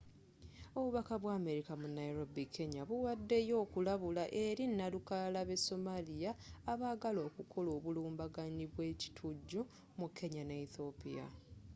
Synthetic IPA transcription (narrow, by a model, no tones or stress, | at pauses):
o̞βuβakaβwaːme̞ɾikamunaiɾo̞bikʰːe̞ɲaβuwadːe̞jo̞ːkulaβulaʔe̞ɾinːalukalaβe̞so̞malijaːβaːɡalo̞ːkukʰo̞lo̞ːβuluːmbaɡaniβwe̞ːci̥tʰuɟːu | mukʰːe̞ɲaneiθo̞pija̰